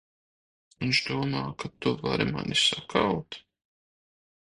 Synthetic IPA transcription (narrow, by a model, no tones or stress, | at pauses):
int͡ʃd̪uɔmaːkat̪uvaɾima̰nisakʰawt̪